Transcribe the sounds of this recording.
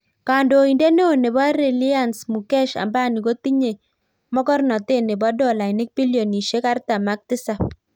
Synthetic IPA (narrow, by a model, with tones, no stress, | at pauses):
ka˨ndo˨i˨ndɛ˦ne˦o˨ne˨ba˦ɾe˨li˦a˦˨nsmu˨kɛ˦ʃa̰˨mba˦˨ni˨ko˦ti˦ɲe˨ | mɔ˦kɔ˦rnɔ˨te˦˨ne˨bɔ˦dɔ˦˨la˨nɪ˦k̚pi˦ljɔ˨ni˨ʃe˦ka˦rta˨ma˦k̚tɪ˦sa˨